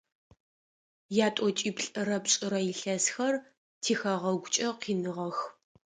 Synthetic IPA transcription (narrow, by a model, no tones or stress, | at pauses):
jaːtʼɔt͡ʃʼiːpɬʼɨrɐpɕʼɪɾɐjɪɬɐsxɐr | tʰiːxɐʁɐɡʷʊt͡ʃʼɐqiːnɨʁɐx